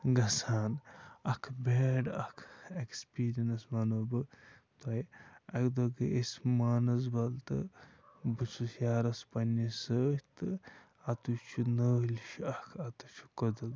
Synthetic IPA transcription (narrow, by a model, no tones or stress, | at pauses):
ɡɐsaːnɐkʰbeːɖɐkʰekspiːɾiɐnɐsmɐnobɨ | t̪ɐjɐkd̪oɡɨesʲmaːnɐzbɐlt̪ɨ̰ | bɨsʰusjaːɾɐspɐnːisət̪ɨ | ɐt̪ut͡ʃʰunəːlʲʃʰɐkʰɐt̪ut͡ʃʰu̥kod̪ɐɡ